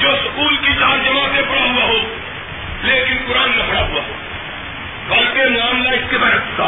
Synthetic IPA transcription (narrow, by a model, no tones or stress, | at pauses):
d͡ʒoːskuːlkit͡ʃaːɾd͡ʒɐmãːt̪epʊɽaɦʊaːɦoː | leːkɪnpʊɾaːnːɐpʰəɽaɦʊʋaːɦoː | bɐlt̪emaːmlaːɪsk̪ebɛɦət̪ʰsaː